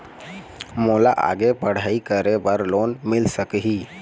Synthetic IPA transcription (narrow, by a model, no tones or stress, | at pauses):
moːlaʔa̰ːɡepəɽ̤aːikəɾebəɾloːnmɪlsəkɦi